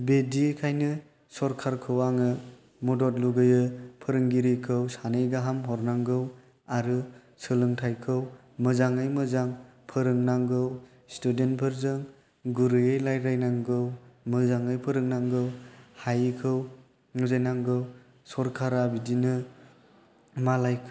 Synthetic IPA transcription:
bedikʰajnɯ | sɔɾkʰaɾkʰɯwaŋɯ | mɔdɔt̚luɡɯjɯpʰɯɾɯŋɡiɾikʰɯwsanɯjɡaɦamɦɔɾnaŋɡɯw | aɾɯ | sɯlɯŋtʰajkʰɯw | mɯzaŋɯjmɯzaŋpʰɯɾɯŋnaŋɡɯw | studentpʰɯɾzɯŋ | ɡuɾɯjejlajɾajnaŋɡɯwmɯzaŋɯjpʰɯɾɯŋnaŋɡɯwhajkʰɯw | ŋuzajnaŋɡɯw | sɔɾkʰaɾabidinɯ | malajkʰ

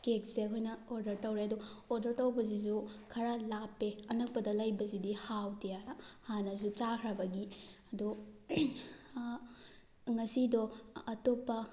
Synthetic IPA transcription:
kek̚sekʰojnɐoɾdɐɾtɐwɾeɐduoɾdɐɾtɐwbɐzizukʰɐɾalapːeɐnɐk̚pɐdɐlajbɐzidihawtijaɾhanɐzut͡ʃakʰɾabɐɡiɐdu | ŋɐsidɔːtopːɐ

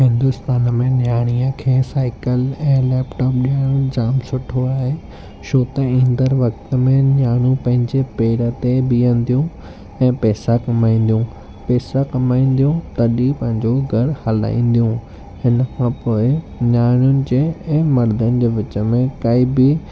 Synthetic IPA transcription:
hɪ̃nd̪ʊst̪aːnəmẽnjaːɽ̃ijəkʰeːsaːɪkəlɛ̃ːlɛːpʈɔːp̚ɗiəɽ̃d͡ʑaːmsʊʈʰoaːɦe | ʃʰoːt̪ɐĩːnd̪əɾʋɐkt̪ə̆mẽnaːɽ̃ũpɐ̃ɦɪ̃ɲd͡ʑepeːɽə̆t̪ebiə̃n̆d̪ijũ | ɛ̃ːpɛːsakɐmaːĩːn̆d̪ijũ | pɛːsakɐmaːĩːn̆d̪ijũt̪ɐɗipɐ̃ɦɪ̃ɲd͡ʑoɡʱɐɽhɐla̰ːĩːn̆d̪ijũ | hɪnəkʰãːpoːɪnjaːɽ̃jʊnɪ̆d͡ʑeːɛ̃ːmɐɾd̪ənɪ̆d͡ʑeːʋɪt͡ɕə̆mẽkaːibɪ

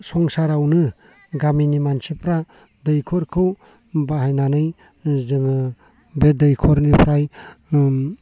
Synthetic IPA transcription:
sɔŋsaɾawnɯ | ɡaminimansipɾa | dɯjkʰɔɾkʰɯ | baɦajnanɯj | zɯŋɯ | bedɯjkʰɔɾnipɾaj

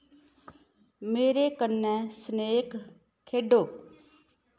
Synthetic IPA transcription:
meːɾeːkənːɛ̃ːsneːk | kʰeːɖoː

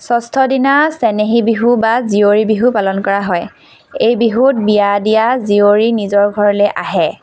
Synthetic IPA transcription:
sɔstʰɔdinasɛneɦibiɦubazioɹibiɦupalɔnkɔɹaɦɔj | ejbiɦut̚bijadijazioɹinizɔɹɡʱɔɹɔlɛʔaɦɛ

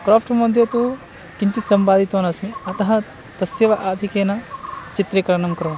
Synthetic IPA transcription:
kɾoːpʰʈmɐd̪ʱjɐt̪u | kiɲt͡ʃit̪sɐmpaːd̪ʱit̪oːnɐsmiɐt̪ɐɦɐ | t̪ɐsjɐʋɐʔaːd̪ʱikeːnɐt͡ʃit̪ɾeːkɐɾɐɳɐmkɐɾoː

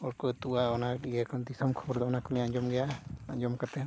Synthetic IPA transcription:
ɔɾkɔt̪uaɔnaɗiɡakɔnt̪isɔmkʰɔbɔɾd̪ɔɔnakɔlɛ̃aɲd͡ʒɔmɡɛjaaɲd͡ʒɔmkat̪ɛ

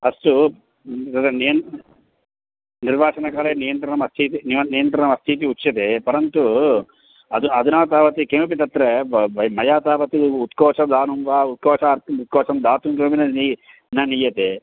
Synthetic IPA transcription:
ɐsʈu | t̪ɐt̪ɐnijɐn | niɾʋaːʂɐnɐkaːleːnijɐnt̪ɾɐɾɐmɐst̪ʰit̪iniɐnijɐnt̪ɾɐɾɐmɐst̪ʰit̪̬iut͡ʃːjɐt̪epɐɾɐnt̪u | ɐd̪uɐd̪unaːt̪aːʋɐt̪ikemp̬it̪ɐt̪ːɾeʋɐmɐjaːt̪aːʋɐt̪iut̪kɔːt͡ʃɐd̪aːnumʋaut̪̚kɔːt͡ʃʰɐɾt̪ut̪̚kɔːt͡ʃɐmd̪aːt̪uŋkempinɐni | nɐnijɐt̪e

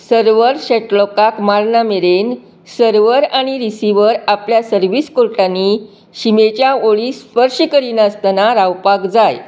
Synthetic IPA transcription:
səɾʋəɾɕɛʈlɔkakmaɭnameɾen | səɾʋəɾaɽ̃iɾisiʋəɾapljasəɾʋiskoɾʈani | ɕimet͡ɕjaoɭispəɾɕikəɾinaəst̪ənaɾawpaɡd͡zaj

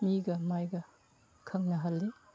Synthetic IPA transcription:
miɡɐmajɡɐ | kʰɐŋnɐɦalːi

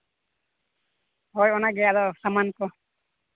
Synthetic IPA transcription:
ɦɔjɔnaɡɛjalɔsamankɔ

